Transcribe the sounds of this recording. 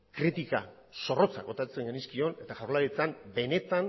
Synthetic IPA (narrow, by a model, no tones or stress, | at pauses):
kɾit̪ika̰ | so̞ro̞t͡sa̰ɡo̞t̪at͡se̞ŋɡaniskio̞ne̞t̪aʝawɾlaɾit͡sambe̞ne̞t̪an